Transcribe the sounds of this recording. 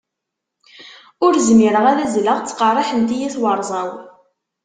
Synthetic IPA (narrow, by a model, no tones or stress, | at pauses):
ʊɾzmɪɾəʁæðæzləʁt͡sːqɑrˤːɑħənt̪ijæθwəɾˤzˤɑw